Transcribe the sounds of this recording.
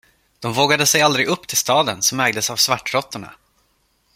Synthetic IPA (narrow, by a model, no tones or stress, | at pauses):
d̪̥ɔmvoːɡad̪əsɛjald̪ɾɪɡɵpːt̪ʰɪlst̪ɑːd̪ənsɔmæɾɡ̚d̪əsavsvaʈːɾɔt̪ːʊɳa̰